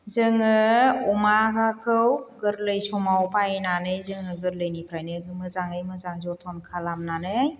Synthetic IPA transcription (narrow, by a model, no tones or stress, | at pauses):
zɯŋɯɔmakakʰɯwɡɯɾlɯjsɔmawpajnanɯjzɯŋɯɡɯɾlɯjnipʰɾajnɯɡɯmɯzaŋɯjmɯzaŋzɔtʰɔnkʰalamnanɯj